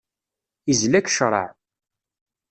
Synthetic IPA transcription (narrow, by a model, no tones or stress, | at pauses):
izlækːʃɾˤɑ̰ʕ